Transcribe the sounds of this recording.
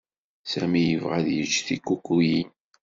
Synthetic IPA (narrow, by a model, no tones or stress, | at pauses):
sæmijəvʁaðjət͡ʃːθikːukːujin